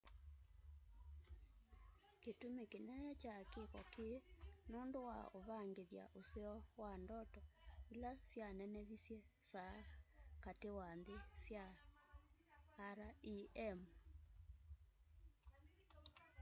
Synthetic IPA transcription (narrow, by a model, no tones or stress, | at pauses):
ketumekenɛnɛt͡ʃakekɔkenoːndowa̰oβaŋɡeðja̰ʔoseɔwandɔtɔilasjanɛnɛβisjɛ | sakatewanðesja | ɾaiɛm